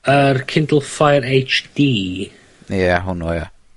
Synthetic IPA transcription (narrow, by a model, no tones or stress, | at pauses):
ərkʰɪndlˠfajɾejt͡ʃd̥iː | jɛaɦʊnoja